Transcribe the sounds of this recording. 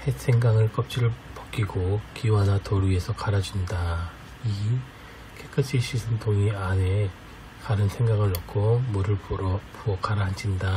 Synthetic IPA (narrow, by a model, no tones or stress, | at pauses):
hesʰe̞ŋɡaŋɯɭk͈ʌp̚t͡ɕ͈iɾɯɭpʌk͈iɡokiwanatoɾue̞sʰʌkaɾad͡ʑunda | i | kʰek͈ʰɯt͡ɕʰiɕʰisʰɯntʰoŋiane | kaɾɯnsʰe̞ŋɡaɡɯɭːʌkʰomuɾɯɭpuʌkaɾaand͡ʑinda